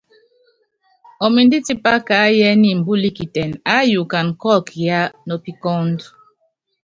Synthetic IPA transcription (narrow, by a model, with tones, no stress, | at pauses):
ɔ˨mi˨n˦di˦ti˦pa˦ka˨˦jɛ˦ni˦m̩˨bu˦li˦ki˨tɛ˨na˦ju˨ka˨n˨kɔ˦˨kja˦nɔ˨pi˦kɔ˦nd